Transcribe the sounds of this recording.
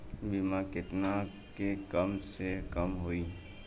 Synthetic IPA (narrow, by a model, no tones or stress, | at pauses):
bimakɪt̪na | kekəmsekəmɦoiː